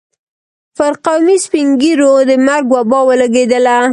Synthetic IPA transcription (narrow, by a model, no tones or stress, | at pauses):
faɾqawmispiŋɡiɾod̪əmaɾɡwabɑwəlaɡed̪əla